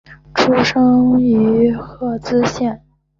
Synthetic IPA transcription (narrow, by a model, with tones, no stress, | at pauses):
ʈ͡ʂʰu˥ʂɤ˥ŋy˧˥xɤ˥˩t͡sɹ̩˥ɕjɛ˥˩n